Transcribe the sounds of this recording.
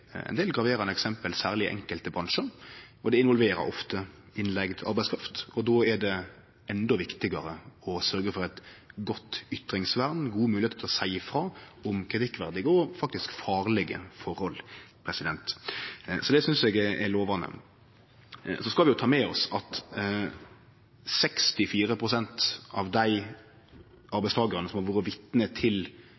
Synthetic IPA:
ɛ̰nd̪eːlɡɾɑʋeːɾɑnəɛksɛmpəlsæːʁlɪʔɛ̰ŋkəlt̪əbɾɑnʂəɾɔd̪ɛɪnʋɔlʋeːɾə̰ɾɔ̰ft̪ə | ɪnlɛɡd̪ʰʔɑ̰ɾbæɪskʰɾɑft̪ɔd̪ɔɛɖɛ | ʔɛnd̪ɔʋɪkt̪ɪɡɑɾəɔsœɾɡəfɔɾɛt̪ɡɔt̪ːʏt̪ɾɪŋsʋæɾnɡuːəmʉːlɪheːt̪ət̪ʰlɔsæɪfɾɑːɔmkʰɾɪt̪ʰɪkːʋæɾd̪ɪɡəɔfɑk̚t̪ɪskfɑːʁlɛɡə̰fɔɾɔlpʰɾɛsɪd̪ɛnt̪ | sɔd̪ɛsʏnsɛɡɛʔɛloːʋɑnə̰ | sɔskɑlʋɪjʊt̪ʰɑːmɛɔsɑt̪ | sɛkst̪ɪfiːɾəpʰɾʊsɛnt̪ɑʋd̪æɪ | ɑɾbæɪst̪ʰɑːɡəɾɑnəsɔmhɑɾʋuːɾəʋɪt̪nət̪ʰɪl

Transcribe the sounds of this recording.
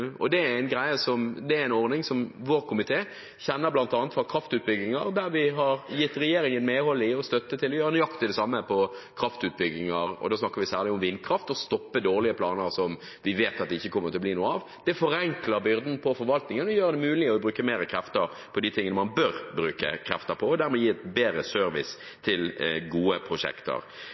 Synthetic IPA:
ɔ̰d̪ɛææɪnɡɾæɪəsɔmd̪ɛæɾɪnɔʁnɪŋsɔmʋoːʁkʰʊmɪt̪ʰeː | çɛnːəɾblɑnt̪ɑːnət̪fɑʁkʰɾɑft̪ʉːt̪̚bʏɡɪŋɑɾd̪æɾʋɪɦɑɾjɪt̪ːɾɛjeːɾɪŋənmeːhɔlːɪɔst̪œt̪ːət̪ʰɪlɔjøːɾənjɑkt̪ɪd̪ɛsɑmːəpʰɔkʰɾɑft̪ʉːt̪̚bʏɡːɪŋɑɾɔ̰d̪oːsnɑkːəɾʋɪsæːʁlɪʊmʋɪnːkʰɾɑft̪ɔst̪ɔpːəd̪oːʁlɪəpʰlɑːnəɾsɔm | ʋɪʋeːt̪ɑt̪̚d̪ɛɪçːəkʰɔmːəɾt̪ʰɪlɔb̪liːnuːəɑːʋ | d̪̥ɛfɔɾɛŋkləɾbʏɾd̪n̩pʰɔfɔɾʋɑlt̪nɪŋənɔjøːɾəd̪ɛmʉːlɪɔbɾʉːkəmeːɾəkʰɾɛft̪əɾ | pʰɔd̪ɪt̪ʰɪŋənəmɑnbœɾbɾʉːkə̰kʰɾɛ̰ft̪əpʰɔːd̪æɾmɛjiːɛt̪beːɾəsœɾʋɪ̰s | t̪ʰɪlɡuːəpʰɾʊʂɛ̰kt̪ə̰ɾ

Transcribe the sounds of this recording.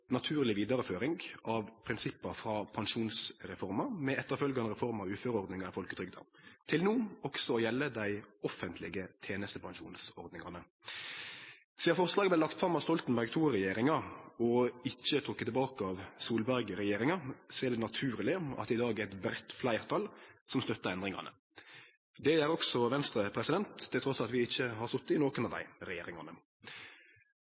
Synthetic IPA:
nɑt̪ʰʉːɾlɪʋiːd̪ɑɾəføːɾɪŋɡɑʋpʰɾɪnsɪpːɑfɾɑpʰɑnʃuːnsʁɛfɔɾmɑmɛɛt̪ːəʁfœlɡɑnəʁɛfɔʁmɑʋʉːføːɾəɔʁd̪nɪŋɑɪfɔlkət̪ɾʏɡ̚d̪ɔ̰mt̪ʰɪlnuːɔksɔɔjɛlːəd̪æɪɔfənt̪ʰlɪɡət̪ʰeːnəst̪əpʰɑŋʃṵːnsɔʁd̪nɪŋɑ̰nə | siːɑʁfɔʁslɑːɡəblɛlɑkt̪fɾɑmɑst̪ɔlt̪n̩bæʁɡt̪ʰuːʁɛjeːɾɪŋɑɔɪçːət̪ʰɾʊkːət̪ɛbɑːkəɑʋsuːlbæʁɡɾɛjeːɾɪŋɑsɛːʁd̪ɛnɑt̪ʰʉːɾlɪɑ̰t̪ɪd̪ɑːɡæɛt̪bɾɛt̪ːflæɪʁt̪ʰɑlsɔmst̪œt̪ːəɛnd̪ʁɪŋɑ̰nə̰ | d̪ɛæːɾɔksɔʋɛnst̪ɾəpʰɾɛsɪd̪ɛnt̪ʰːɪlt̪ʰɾɔsɑt̪ʋɪɪçːəhɑɾsɔt̪ːɪnoːkənɑʋd̪æ̰ɪɾɛjḛːɾɪŋɑ̰nə

